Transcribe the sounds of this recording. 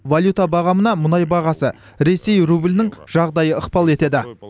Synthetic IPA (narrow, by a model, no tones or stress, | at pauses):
valʲˠjut̪abɑʁɑmənɑmʊnɑjbɑʁɑsə | ɾe̞se̞jrublɪnɪŋʒ̥ɑʁd̪ɑjəəqpɑlˠe̞t̪e̞d̪ɪ